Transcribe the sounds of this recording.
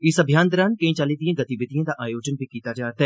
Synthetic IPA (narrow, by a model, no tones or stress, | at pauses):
ɪsɐbʱjaːnd̪ɐɾaːnkɐĩt͡ʃaːliːd̪ijẽɡɐt̪ibɪt̪ijãd̪aʔaːjoːd͡ʒənbʱikiːt̪ad͡ʒaːɾt̪ɛ